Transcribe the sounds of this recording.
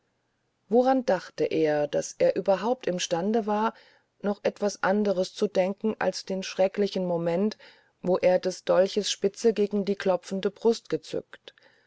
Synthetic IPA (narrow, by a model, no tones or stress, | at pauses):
voʁandaχtəʔeːɐd̥asʔeːɐʔyːbɐɦaʊp̚tɪmʃtandəvaːɐ | nɔχʔɛtv̥asʔandəʁ̞əst͡sudɛŋkŋ̩ʔa̰lsd̥eːnʃʁ̥ɛklɪçn̩momɛnt | voːʔeːɐdasd̥ɔlçəsʃpɪt͡səɡeːɡŋ̩diːkʰl̥ɔp͡fn̩dəbʁʊstɡ̥ət͡sʏ̰kt